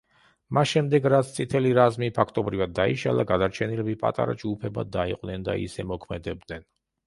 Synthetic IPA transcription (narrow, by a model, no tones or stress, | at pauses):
masʃɛmd̪ɛɡɾat̪sʰt̪sʼit̪ʰɛliɾazmipʰakʰt̪ʼɔbɾivad̪ːaḭʃalˠaɡad̪aɾt͡ʃʰɛnilɛbipʼa̰t̪ʼa̰ɾa̰d͡ʒɡupʰɛbad̪aiqʼnɛnd̪a̰ḭsɛmɔkʰmɛd̪ɛb̚d̪nɛn